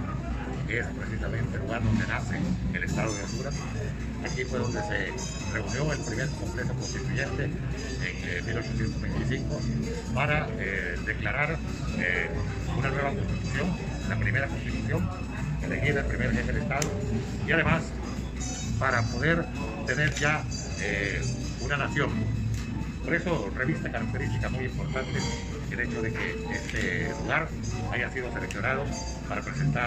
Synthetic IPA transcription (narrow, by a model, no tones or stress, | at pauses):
keespɾesisamẽnt̪eluɣaɾðo̞nd̪enaθeelest̪aðoðolt̪uɾa | a̰kifwe̞ðo̞nd̪ese | re̞unjo̞elpɾimeɾkomple̞sokonst̪it̪uʝe̞nt̪e | eŋ | milo̞t͡ʃosθje̞nt̪ozβejnt̪isiŋko | paɾa | e | ðeklaɾaɾ | e | unanwe̞βakonst̪it̪uθjo̞ŋ | la̰pɾime̞ɾakonst̪it̪uθjo̞ŋ | eleɣiðaelpɾimeɾʝefelest̪aðo | iað̞e̞mas | paɾapoðeɾ | t̪e̞neɾʝa | e | unanaθjoŋ | poɾe̞sore̞βist̪akaɾak̚t̪eɾist̪ikamujimpo̞ɾt̪ant̪e | ele̞t͡ʃoðe̞ke | est̪eluɣ̞aɾ | aʝasiðoseɾekθjoɾað̞o | paɾapɾesent̪a